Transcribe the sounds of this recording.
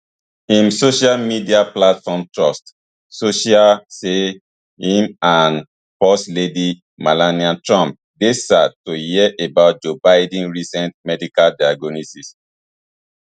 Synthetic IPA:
ĩmsoʃalmidiaplatfɔ̃mtɹɔst | soʃialse | ĩmãn | pɔsledi | malaniãtɹãmp̚ | desad̚tohiɛʔebaʊt̚d͡ʒobaɪdɛ̃nɹisɛ̃ntmɛdikaldaaɡonisis

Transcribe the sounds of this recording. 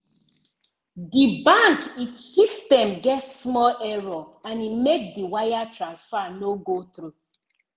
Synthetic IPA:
dibãŋkitsistɛ̃mɡɛtsmɔlʔɛɹɔãnimek̚diwajatʰɹãnsfanoɡotɹu

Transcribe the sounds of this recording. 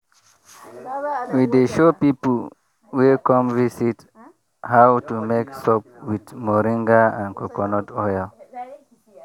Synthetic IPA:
wideʃopipl | wikɔ̃mvisit | hawtumeksɔp̚widmɔɹĩŋɡaãnkɔkɔnɔtɔjl

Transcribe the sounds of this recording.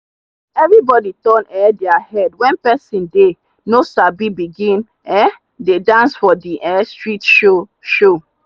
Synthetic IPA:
ɛvɹibɔditɔ̃nɛdɛahɛdwɛ̃npɛsĩnde | nosabibiɡĩn | ɛ | dedãnsfɔdiʔɛstɹitʃoʃo

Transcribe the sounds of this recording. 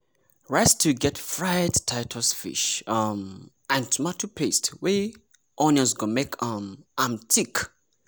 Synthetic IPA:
ɹastʰuɡɛtfɹajdtʰaɪtʰɔsfḭʃʌm | ãɪ̃mtʰumatʰupʰestwe | ʔɔ̃nɔ̃nsɡomekʰʌmʔamtʰik

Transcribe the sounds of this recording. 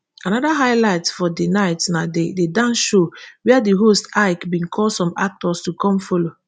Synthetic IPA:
anɔdaɦaɪlaɪtfɔdenaɪtnadededãnʃowɛadiɦostaɪkbĩnkʰɔlsɔ̃mak̚tɔstukɔ̃mfɔlo

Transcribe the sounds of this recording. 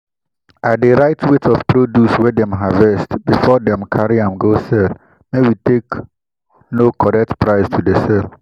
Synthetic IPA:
ʔadeɾaɪtʰwetʰɔfpʰɾodjuswɛdɛ̃mɦavɛstbifɔdɛ̃mkʰaɹiãmɡosɛl | mewitek | nokʰɔɾɛk̚tpʰɹaɪstʰudesɛl

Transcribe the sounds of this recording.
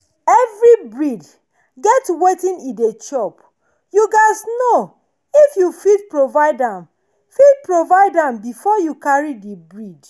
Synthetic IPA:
ɛvɹibɹid | ɡɛtwetĩnĩdet͡ʃɔp | juɡasno | ifjufid̚pɹovaɪdãm | fid̚pɹovaɪdãmbifɔjukaɹidibɹid

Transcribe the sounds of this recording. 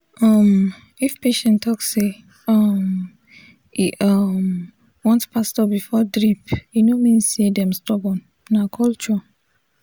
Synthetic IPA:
ʔɔm | ifpeʃɛ̃ntɔkse | ɔm | iʔʌm | wɔ̃ntpastɔbifɔdɹipinomĩnsedɛ̃mstɔbɔ̃n | nakʰɔlt͡ʃ

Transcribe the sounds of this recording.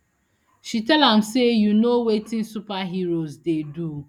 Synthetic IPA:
ʃitɛlam̩sejunowetɪn̩supaɦiɾozdedu

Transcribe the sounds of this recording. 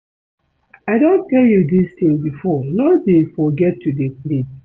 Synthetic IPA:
aɪdõntʰɛljudist̪ĩŋbifɔlɔdefɔɡɛtʰːudeplis

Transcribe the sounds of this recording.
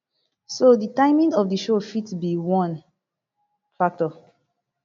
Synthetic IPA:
soditãɪmĩŋɔfdiʃofitsbiwɔ̃n | fak̚tɔ

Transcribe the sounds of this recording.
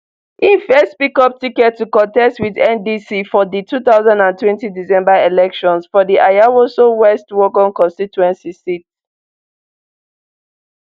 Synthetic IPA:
ʔĩnfɛstpikɔp̚tikɛtːukɔ̃ntɛstwiðɛ̃ndisifɔðitʰuθaʊzãndãntwɛ̃ntidisɛ̃mbaelɛkʃɔ̃nsfɔdiʔajawosowɛstwɔkɔ̃nkɔ̃nstituɛ̃nsisit

